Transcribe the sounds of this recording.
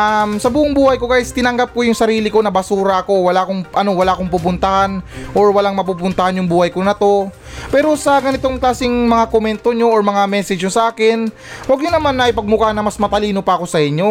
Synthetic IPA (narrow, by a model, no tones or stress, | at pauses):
ʔɐmsɐbuːʔʊŋbuːhɐjko̞ɡaːjst̪ɪnɐŋɡap̚ko̞jʊŋsɐɾiːlɪko̞nɐbɐsuːɾɐʔɐko̞wɐlaːʔko̞ŋʔɐno̞wɐlaʔɐko̞ŋp̬up̬ʊnt̪ɐhanʔoɹwɐlaŋmɐp̬upʊnt̪ɐhanjʊŋbuːhɐjkonɐt̪o̞ | pɛːɾo̞sɐɡɐnɪt̪o̞ŋklaːsɪŋmɐŋakomɛnt̪o̞ɲo̞ːɹmɐŋamɛːsɛd͡ʒjosɐʔaːkɪn | wɐɡ̚ɲonɐmanːɐʔɪpɐɡ̚mʊkanɐmɐsmɐt̪ɐliːno̞pɐʔɐko̞sɐʔɪɲo̞